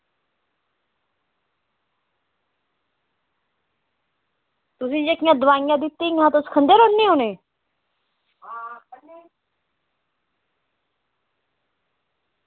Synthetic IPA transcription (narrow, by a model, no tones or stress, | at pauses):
t̪ʊsĩːd͡ʒekijãd̪ʊʋaːjãd̪ɪt̪ːiãːt̪oskʰə̃nd̪eɾonːiɦonẽː | ɦa